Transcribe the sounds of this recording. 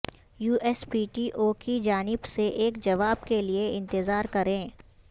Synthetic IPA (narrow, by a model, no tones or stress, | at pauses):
juːʔɛspiːʈiːʔoːkid͡ʒaːnɪbseʔeːkd͡ʒɐʋaːbkelieɪ̃nt̪ɪzaːɾkɐɾẽː